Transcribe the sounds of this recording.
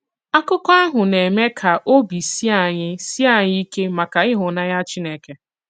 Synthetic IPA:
a˦kʊ˦kɔ˦a˦ɦʊ˨ne˨me˦kʰa˨ʔo˦bi˨si˦a˨ɲɪ˦si˦a˨ɲɪ˦i˦ke˦ma˨ka˨ɪ˦ɦʊ˨na˦ja˦t͡ʃi˦ne˦ke˦

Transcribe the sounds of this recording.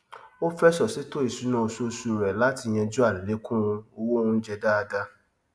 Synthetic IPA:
o˦fɛ˦sɔ˨si˨˦to˦i˨su˨˦nũ˦o˧so˧su˧ɾɛ˨la˨˦ti˧j̃ɛ̃˧d͡ʒu˦a˦˨li˨le˨˦kũ˦˧o˧wo˦nũ˦d͡ʒɛ˧da˦a˧da˦

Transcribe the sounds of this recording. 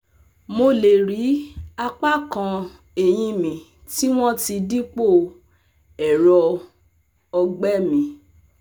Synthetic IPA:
mo˧le˨ɾi˨˦a˧k͡pa˦˨kã˧ | e˨j̃ĩ˧mĩ˨ | ti˦w̃ɔ̃˦ti˧di˦k͡po˦˨ | ɛ˨ɾɔ˧ | ɔ˧ɡ͡bɛ˦mĩ˨

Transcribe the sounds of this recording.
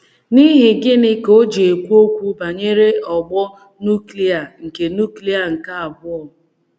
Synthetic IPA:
ni˦ɦɪ˨ɡɪ˦nɪ˦ko˦d͡ʒe˨e˨kʷu˦o˦kʷu˦ba˨ɲe˦ɾe˦ɔ˨ɡ͡bɔ˦ | nu˦kli˦a˨ŋ̩˨ke˨nu˦kli˦a˨ŋ̩˨ka˦a˨bʊ˦ɔ˨

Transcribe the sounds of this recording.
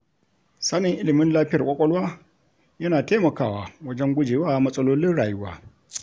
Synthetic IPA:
sa˦nɪ˨ŋʔɪ˦lɪ˨mɪ˦nlaː˦ɸɪ˦jɐ˨kʷʼɔ˦kʷʼɔ˦lwaː˦ | jɐ˦naː˨teː˦mɐ˨kaː˦˨waː˨wɐ˦d͡ʒɛ˦ŋɡʷʊ˦d͡ʒeː˨waː˦˨mɐ˦sʼɐ˦loː˦lɪ˦nɽaː˨jʊ˦wa̰ː˦

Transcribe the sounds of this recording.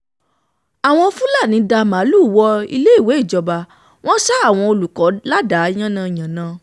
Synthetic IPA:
a˨w̃ɔ̃˧fũ˦la˦˨nĩ˨˧˦da˧ma˨˦lu˦˨wɔ˧ḭ˧le˦i˦˨we˨˦i˦˨d͡ʒɔ˧ba˧ | w̃ɔ̃˦ʃa˦a˦˨w̃ɔ̃˧o˧lu˨kɔ˨˦la˦da˨˦j̃ã˦nã˧˨j̃ã˨nã˨˧

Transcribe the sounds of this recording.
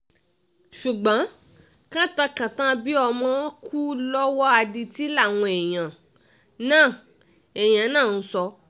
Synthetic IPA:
ʃu˨ɡ͡bã˨˦ | kã˦ta˧kã˨tã˦bi˦ɔ˧mã˦kʰu˦lɔ˦wɔ˦a˧di˧ti˦la˦˨w̃ɔ̃˧ɛ˨j̃ã˨ | nãː˦˨ | ɛ˨j̃ã˨˦nãː˦˨n̩˦sɔ˧

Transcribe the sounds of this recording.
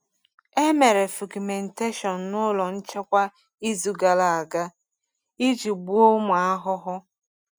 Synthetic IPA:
e˦me˨ɾe˨fu˨ki˨me˨n̩˨te˦ʃɔ˨n̩˨nʊ˦lɔ˨n̩˦t͡ʃe˦kʷa˦ | i˦zu˨ɡa˨la˨a˨ɡa˦ | i˦d͡ʒi˨ɡ͡bu˦o˦mʊ˨a˦ɦʊ˦ɦʊ˦

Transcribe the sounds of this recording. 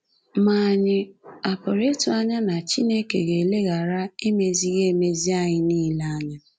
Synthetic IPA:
ma˨ɲɪ˦a˨pɔ˨ɾe˦tʊ˨a˦ɲa˦na˨t͡ʃi˦ne˦ke˨ɣe˨le˦ɣa˨ɾa˦e˦me˨zi˦ɣe˦˨me˦zi˦a˦ɲɪ˦niː˦la˦a˦ɲa˦

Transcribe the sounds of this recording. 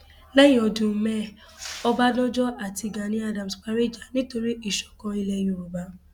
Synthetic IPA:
lɛ˦jĩ˨ɔ˨dũ˨mɛ˦ | ɔ˦ba˦dɔ̃˦d͡ʒɔ˦a˨ti˧ɡa˨nĩ˦a˦dã˨m̩˨sk͡pa˦ɾe˦˨d͡ʒa˨nĩ˦to˧ɾi˦ʔi˨ʃɔ̥˨kɔ̃˧i˦lɛ˦jũ˨˦˨ɾo˨ba˦

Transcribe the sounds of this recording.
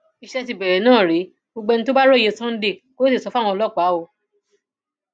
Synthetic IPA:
i˧ʃɛ˧ti˨bɛ˨ɾɛ˨˦nãː˦˨ɾe˨˦ | o˧ɡ͡bɛ˧ñ̩˦to˦ba˦ɾo˦˨je˧sã˦n̩˦de˦˨ko˦si˦˨sɔ˧˦fa˦˨wɔ̃˧ɔ˧lɔ˦˨k͡paː˨˦o˧

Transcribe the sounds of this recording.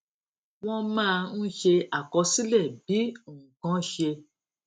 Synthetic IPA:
w̃ɔ̃˧mãː˦˧n̩˦ʃe˧a˨kɔ˧si˦lɛ˦˨bi˨˦˨kã˨˦ʃe˧

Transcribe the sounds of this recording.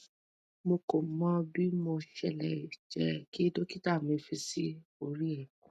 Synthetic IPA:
mo˧ko˨mã˦bi˦mɔ̃˧ʃɛ˦˨lɛ˨i˨d͡ʒɛ˨˦ki˦e˦do˦ki˦ta˦˨mĩ˨˧˦fi˧si˦o˦˧ɾi˦e˦˨kũ˨

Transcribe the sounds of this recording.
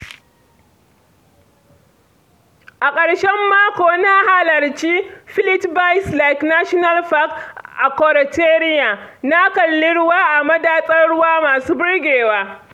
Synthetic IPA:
ʔa˨kʼɐ˨ɽʃɛ˦mːaː˦kʷoː˨na˦ha˦lɐ˨rt͡ʃi˦ɸɪ˦lɪ˦tba˦jsla˨jkna˦ʃɔ˦na˦lɸa˦kʔa˨kɔ˨ɾɐ˨teː˦ɾɪ˦jaː˨na˦kɐ˨lːɪ˦ɽʊ˦waː˦ʔa˨mɐ˦daː˨sʼɐ˦ɽʊ˦waː˦maː˨suː˦bɪ˦ɽɡʲeː˨waː˦

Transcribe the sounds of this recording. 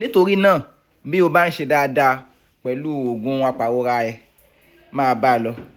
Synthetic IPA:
nĩ˦to˧ɾi˦nãː˦˨ | bi˦o˧ba˦n̩˦ʃe˧da˧da˧ | k͡pɛ˨luː˦˨o˨ɡũ˨˦˧a˧k͡pa˨wo˦ɾa˧ɛ˧˨ | mãː˦˧ba˦˨lɔ˧

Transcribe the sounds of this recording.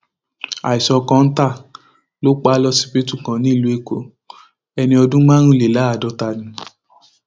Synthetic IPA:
a̰˨i˨sɔ˧kã˧n̩˦ta˦˨ | lo˦k͡pa˦lɔ˦si̥˧pe˦tu˦˨kã˨˦nĩ˨˦i˦˨lu˨˦e˦˨ko˨˦ | ɛ˧nĩ˧ɔ˧dũ˦mã˦ɾ̃ũ˦˨le˨la˨˦˨dɔ˨˦ta˧˨nĩ˨˧

